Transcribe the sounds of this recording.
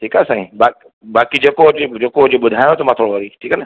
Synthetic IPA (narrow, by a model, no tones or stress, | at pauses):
ʈʰiːkasãːɦĩba | baːkid͡ʒekod͡ʒod͡ʒekod͡ʒobəd̪ʱajot̪omat̪ʰɾoʋaɾiʈʰiːkan